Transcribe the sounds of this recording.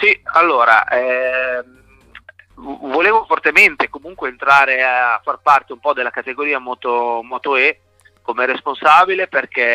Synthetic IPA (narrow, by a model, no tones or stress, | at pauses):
sialːoːɾa̰ʔɛm | voleːvofort̪ement̪ekomuŋkweːnt̪ɾaːɾeaafːarpart̪eumpɔd̪elakat̪eɡoɾiːamɔːt̪omɔːt̪oɛ | komeɛɾesponsaːbileperke